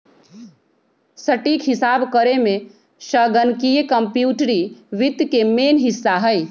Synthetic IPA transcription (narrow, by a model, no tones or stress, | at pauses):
səʈiːkɦɪsaːbkəɾemẽ | ʃəɡənkijekəmpjuːʈɾiʋɪt̪ːkemeːnɦɪsːaɦəj